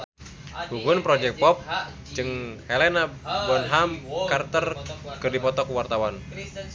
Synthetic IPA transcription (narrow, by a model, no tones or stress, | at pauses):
huɡunpɾɔd͡ʒɛkt̪̚pɔp̚ | d͡ʒɨŋhɛlɛnabɔnɦamkart̪ərkɨrdipɔt̪ɔkuwart̪awan